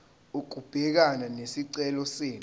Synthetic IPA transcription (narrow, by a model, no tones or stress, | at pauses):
uɡ̥ʱub̥ʱɛk̬ananesiǀɛlɔseːn